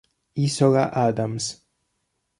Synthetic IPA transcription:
isɔɣaʔad̪ams

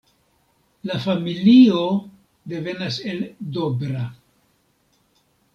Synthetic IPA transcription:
lafamilio̞ | d̪e̞ve̞nase̞ldo̞bɾa

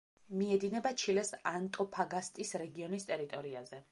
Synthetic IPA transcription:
miɛd̪inɛbat͡ʃʰilɛsant̪ʼɔpʰaɡast̪ʼisɾɛɡiɔnist̪ʼɛɾit̪ʼɔɾiazɛ

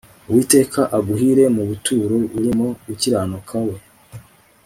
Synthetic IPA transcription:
uwiːte̞ːkaʔaɡuɦiɾe̞muβutuːɾo̞uɾimo̞uciɾaːnukʰawe̞

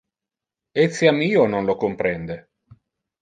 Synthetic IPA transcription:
et̪siamiːononlokompɾɛnd̪e

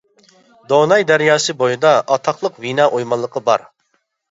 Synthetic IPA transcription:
d̪onɑjd̪æɾjɑːsɨbojɨd̪ɑɑt̪ʰɑqlˠəqvinɑːʔojmɑlˠːəqʰəbɑ̰ɾ

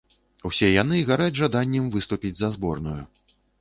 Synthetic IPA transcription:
wsʲɛjanɨɣaɾad͡zʲʐad̪anʲːɛmvɨst̪upʲid͡zʲzɐzbɔrnuju

